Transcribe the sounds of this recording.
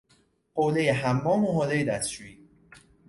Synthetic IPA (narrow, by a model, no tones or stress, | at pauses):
qoːlejeɦæmːɒːmuɦoːlejed̪æst͡ʃuiː